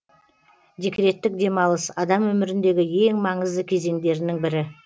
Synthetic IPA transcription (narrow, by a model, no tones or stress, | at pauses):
d̪ʲikʲɾe̞t̪ːɪk̚d̪e̞mɑlˠəsɑd̪ɑmwɵmɪɾɪnd̪e̞ɡʲɪje̞ŋmɑɴəzd̪əkʲʰe̞ze̞ŋd̪e̞ɾɪnɪŋbɪɾɪ